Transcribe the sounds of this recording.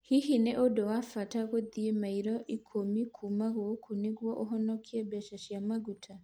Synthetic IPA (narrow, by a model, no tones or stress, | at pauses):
hihineʔodɔwafataɣoðiemaiɾɔʔikʰomikʰumaɣokʰoneɣwɔʔoɦɔnɔkʰiɛbɛʃaʃjamaɡutʰa